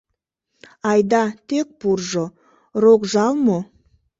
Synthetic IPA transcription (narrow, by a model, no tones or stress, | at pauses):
ɑjd̪ɑt̪ʰek̚buɾʒə | ɾokʒɑlˠmə